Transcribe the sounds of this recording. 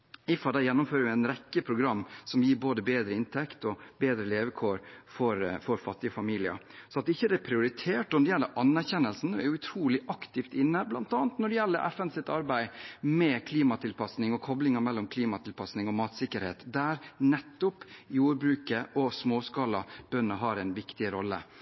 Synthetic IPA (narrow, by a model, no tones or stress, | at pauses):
ɪfɑd̪æjɛnːʊmføːɾəʊænɾɛkːəpʰɾʊɡɾɑmːsɔmjiːɾboːd̪əbeːd̪ɾəɪnt̪ʰɛkt̪ɔbeːd̪ɾəleːʋəkʰoːɾfɔɾfɔɾfɑt̪ːɪɔfɑmiːlɪə̰ | sɔɑt̪ɪçːəd̪ɛpʰɾɪʊɾɪt̪ʰeːʈɔnɔd̪ɛjɛlːəʔɑnːæɾçɛnːəlsn̩æɾjʊʉt̪ʰɾuːlɪʔɑkt̪ɪft̪ɪnːəblɑnt̪ɑːnt̪nɔɖɛjɛlːəɾʔɛ̰fɛnsɪt̪ɑɾbæɪmɛkʰliːmɑt̪ʰɪlpʰɑsnɪŋɔkʰɔblɪŋɑmɛlːɔmkʰliːmɑt̪ʰɪlpʰɑsnɪŋɔmɑːt̪sɪkəɾheːt̪d̪æːɾnɛt̪ːʊpjuːɾbɾʉːkəʔɔsmoːskɑlɑb̥œnːɑɦɑɾæɪnʋɪkt̪ɪɾɔlːə̰